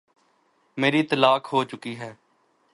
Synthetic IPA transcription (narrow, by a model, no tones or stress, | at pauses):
meːɾiːt̪əlaːkɦoːt͡ʃʊkiːɦɛː